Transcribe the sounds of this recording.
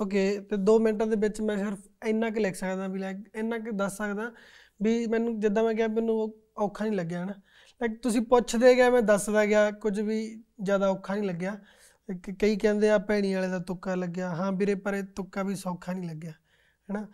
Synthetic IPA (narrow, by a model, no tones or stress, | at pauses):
oːk̬eːt̪eːd̪oːmɪnʈãːd̪eːbɪt͡ʃmɛ̃ːsɪɾpʰɪnːãːk̬lekʰsəkd̪aːbiːlɛːkenːãːkd̪əsːəkd̪aː | biːmɛ̃ːnũːd͡ʒɪd̪ãːmɛ̃ːɡɪjaːmɛːnũːo | ɔːkʰːaːnĩːləɡːjaːɦɛːnaː | lɛːkt̪ʊsĩːpʊt͡ʃʰd̪eːɡjaːmɛ̃ːd̪əsd̪aːɡɪjaːkʊd͡ʒʋiːzjaːd̪aːʊkʰːaːnĩːləɡːjaː | kkəiːkɛ̃ːnd̪eːaːpɛːɽ̃iːaːleːd̪aːt̪ʊkːaːləɡjaːɦãːbɪɾeːpəɾeːt̪ʊkːaːbiːsɔːkʰːaːnĩːləɡːjaː | ɦɛːnaː